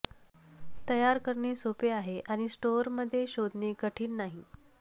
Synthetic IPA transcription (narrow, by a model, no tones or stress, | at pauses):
t̪əjaɾkəɾɳiːsopeaɦeʔaɽ̃isʈoɾməd̪ʱːjeɕod̪ʱnekəʈʰiːnnaɦi